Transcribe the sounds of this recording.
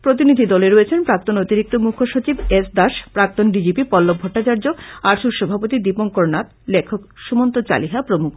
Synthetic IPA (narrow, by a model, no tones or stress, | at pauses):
pɾot̪̬inid̪ʱid̪ɔleɾoet͡ɕʰenpɾak̚t̪onot̪iɾik̚t̪omukʰoʃot͡ɕibesd̪aʃpɾak̚t̪onɖid͡ʑipipɔlːob̚bʱoʈːat͡ɕaɾd͡ʑoaɾʃuɾʃɔbʱapot̪id̪ipoŋkoɾnat̪ | lekʰokʃumont̪ot͡ɕa̰liɦapɾomuk